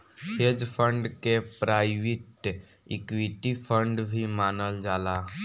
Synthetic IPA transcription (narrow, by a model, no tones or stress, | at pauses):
hed͡ʒpʰə̃ɳɖkepɾaːɪʋɪʈ | ɪkwiʈipʰə̃ɳɖbʱimaːnəld͡ʒaːlaː